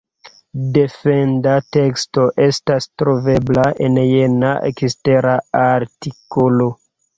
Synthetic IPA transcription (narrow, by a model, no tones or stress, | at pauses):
de̞fe̞ndate̞ksto̞ʔe̞stastɾo̞ve̞blaʔenjenaʔḛkiste̞ɾaaɾtikolo̞